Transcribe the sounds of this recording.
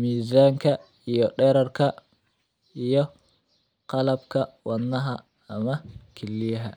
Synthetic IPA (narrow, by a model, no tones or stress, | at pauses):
mizaŋka | ijɔɗɛɾaɾka | ijɔ | qalab̚kawanːaɦaː | makʰilːiɦa̰